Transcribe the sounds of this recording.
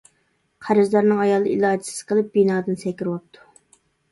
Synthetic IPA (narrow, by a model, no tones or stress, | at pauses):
qʰæɾɪzd̪ɑɾnɨŋɑjɑlˠɨʔilˠɑːd̪ɪ̥sɪ̥z̥qʰəlˠɨp̚b̥inɑːd̪ɨnsɛkʲiɾwɑp̚t̪ʰːu̥